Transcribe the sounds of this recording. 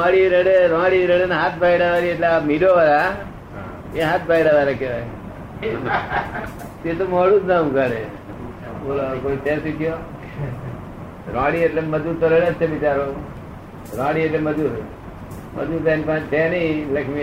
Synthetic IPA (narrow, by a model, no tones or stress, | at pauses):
aɽiɾeɽeɾãɽiɾəɽenaɦat̪̚ʰbaiɽaʋaɾieʈleamiɖoʋaɾa | eɦat̪̚bʱaiɽaʋaɾakeʋaj | t̪et̪omɔːɽud͡ʒ̪naukaɾe | bolokoːitesit̪ʰijo | ɾãːɽieʈleməd͡ʒut̪oɾeɽet͡ʃʰeʋɪt͡ʃaɾo | ɾãːɽieʈleməd͡ʒuɾ | mə̰d͡ʒut̪enpaʈeniləkʰmi